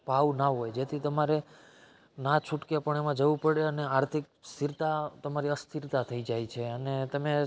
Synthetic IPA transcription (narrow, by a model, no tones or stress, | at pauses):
paʋnaɦojd͡ʒet̪ʰit̪əmaɾe | nat͡ʃʰuʈkepəɳemãd͡ʒəʋupəɽeəneaɾt̪ʰik | st̪iɾt̪at̪əmaɾiəst̪ʰiɾt̪at̪ʰəid͡ʒajt͡ʃʰeənet̪əme